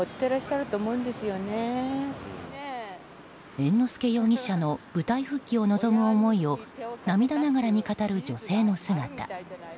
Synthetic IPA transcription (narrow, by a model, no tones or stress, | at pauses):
ot̪ːeɾaɕi̥ɕaɾɯ̟t̪oːmoɯ̃nd̪e̞sɨjo̞ne | ẽ̞nːo̞sɨ̥ke̞jo̞ːɲ̟iɕːano̞b̥ɯ̟t̪aiɸɯ̟kʲːio̞no̞zo̞mɯ̟omo̞io̞namʲid̪anaɡaɾaɲ̟ikat̪aɾɯ̟d͡ʑo̞se̞ːno̞sɨɡat̪a̰